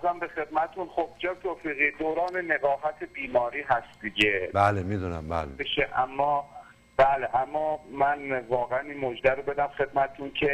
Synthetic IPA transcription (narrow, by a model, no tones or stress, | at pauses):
zæmbexed̪̚mæt̪ʰet̪ʰunχob̚d͡ʒɛːt̪ʰoːfiːɣiːd̪oːɾɒːne̞neɣɒːfæt̪ʰebiːmɒːɾiːɦæst̪d̪iɟebælemid̪unæmbæ̰lebeʃeʔæmːɒː | b̥æleʔæmːɒːmænvɒːɣeæniːnmod͡ʒd̪æɾobe̞d̪æmxe̞d̪mæt̪ʰet̪ʰuncʰe